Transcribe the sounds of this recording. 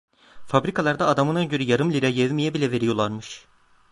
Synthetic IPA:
fabɾikʰalˠaɾd̪aːd̪amɯnaɟøɾyjaɾɯmlʲiɾajɛvmijɛbilʲɛve̞ɾijo̞lˠaɾmɯʃ

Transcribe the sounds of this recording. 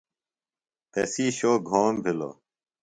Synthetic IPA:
p̪eːsiːʃoːɡʱoːmbʱɪlo̰ː

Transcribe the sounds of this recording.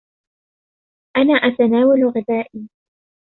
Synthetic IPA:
ʔanaːʔat̪anaːwalɣɪðaːʔiː

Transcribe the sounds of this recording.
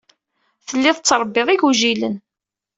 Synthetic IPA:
θəlːɪðˤət͡sːɾˤbːɪðˤiʝuʒilə̰n

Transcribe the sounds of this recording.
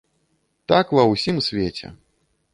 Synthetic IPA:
t̪akvɐwsʲimsʲvʲet͡sʲɛ̰

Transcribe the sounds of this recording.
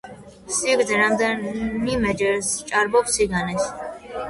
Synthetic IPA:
siɡd̪ɛɾamd̪ɛmimɛd͡ʒɛɾst͡ʃʼaɾbɔbsiɡanɛs

